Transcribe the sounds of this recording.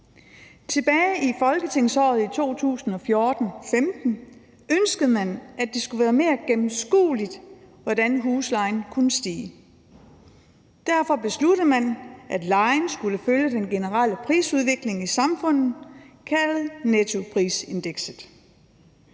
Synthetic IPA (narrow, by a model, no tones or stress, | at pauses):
t͡sʰe̝b̥ɛːɪifɒ̽lɡ̥ət͡sʰe̝ŋsɒ̰ːð̞̩ˠit͡sʰo̝̰ːt͡sʰṵːsn̩ɒ̽fjo̝ːɐd̥n̩femd̥n̩ | ønsɡ̥əð̩ˠmænædd̥e̝sɡ̥uʋæːɐme̝̰ːɐɡ̥emm̩sɡ̥ṵːlid̥ | ʋɒd̥ænɦuːslɑ̈ɪnkʰunəsd̥ḭː | d̥æɐ̰fɒ̽b̥e̝slud̥əð̩ˠmænʔæd̥lɑ̈ɪnsɡ̥uləføljəd̥enɡ̥e̝nəʁɑləpʰʁḭːsuð̞ˠʋe̝ɡ̥le̝ŋisɑ̈mfɔ̽n̰ð̩ˠkʰælð̩ˠnet͡sʰo̝pʰʁḭːse̝nd̥eɡ̥sð̩ˠ